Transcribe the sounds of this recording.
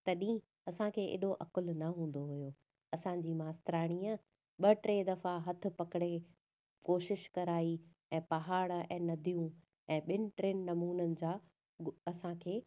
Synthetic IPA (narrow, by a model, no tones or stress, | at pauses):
t̪ɐɗĩ | ɐsãkʰeːʔɪ̰ɗoʔɐkʊlnɐɦũːn̆d̪oɦʊjoː | ɐsãːɲd͡ʑiːmaːst̪ɪɾaːɽ̃iːə | ɓɐʈɾẽːd̪ɐfaɦɐt̪ʰɪ̆pɐkɽe | koːʃɪʃkɐɾaːi | ɛ̃ːpɐɦaːɽɛ̰̃ːnɐd̪ʱijũ | ɛ̃ːɓɪnɪ̆ʈɾeːnnɐmuːnənɪ̆d͡ʑaː | ɐsãkʰeː